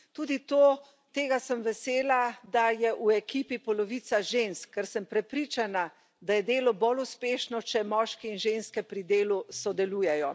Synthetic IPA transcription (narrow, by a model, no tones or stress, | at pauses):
t̪uːd̪it̪oː | t̪eːɡasəmʋɛseːlad̪ajɛʔuɛkiːpipɔlɔʋiːt̪saʒenskːɛɾsəmpɾɛpɾiːt͡ʃana | d̪ajɛd̪eːlɔboluspeːʃnɔt͡ʃɛmɔːʃkɛinʒenskɛpɾid̪eːlusɔd̪ɛluːjɛjɔ